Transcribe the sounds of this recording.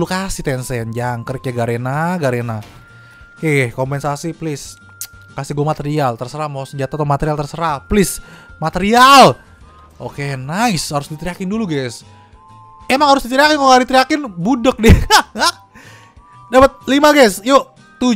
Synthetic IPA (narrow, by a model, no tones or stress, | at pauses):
lukasɪht̪ɛnsɛnd͡ʒaŋkəɾikjaɡaɾenaɡaɾena | kɛhkompɛnsasiplɪs | kasɪhɡuamat̪eɾialt̪ərsəɾahmasəɲd͡ʒat̪at̪amat̪eɾialt̪ərsəɾahplɪsmat̪eɾial | ʔokenaɪshaɾʊsdit̪ɾiakɪnduluɡɛs | emaŋhaɾʊsdit̪ɾijakɪnkaŋadit̪ɾijakɪnbudək̚diŋa | dapət̪̚limaɡɛsjo | t̪u